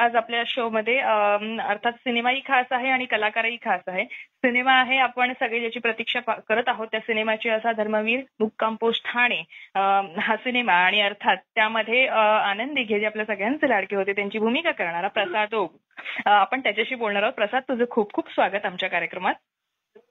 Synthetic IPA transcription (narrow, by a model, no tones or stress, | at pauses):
ad͡zapljaɕoməd̪ʱːjeəəɾt̪ʰat̪sinemaiːkʰasaɦeaɽ̃ikəlakaɾaiːkʰasaɦesinemaːɦeapəɳsəɡɭejat͡ɕiːpɾət̪ikʂakəɾət̪aɦot̪ːjasinemat͡ɕeəsad̪ʱəɾməʋiːɾmukːamposʈʰaɽ̃eəɦasinemaːɽ̃iəɾt̪ʰat̪ːjaməd̪ʱːjeanənd̪iːɡʱed͡ʑiapljasəɡɭjãnt͡selaɽkiːɦot̪et̪jaɲt͡ɕiːbʱumikakəɾɳ̃aɾapɾəsad̪o | apəɳt̪jat͡ɕaɕiːbolɳaɾaɦot̪pɾəsad̪̚t̪ud͡zʱəkʰuːp̚kʰuːpsʋaɡət̪amt͡ɕjakaɾjəkɾəmat̪̚